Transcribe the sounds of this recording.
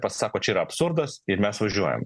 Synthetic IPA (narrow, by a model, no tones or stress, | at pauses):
pɐssɑːkoːt͡ʃʲɛiːɾɐpsʊɾd̪ɐsɪɾmʲɛsʋɐʒʲuɔjɛ̰m